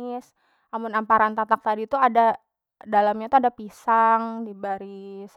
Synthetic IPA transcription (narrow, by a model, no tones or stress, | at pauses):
ɪs | namʊnampaɾant̪at̪ak̚t̪adit̪uada | dalamɲat̪uadapisaŋdibaɾis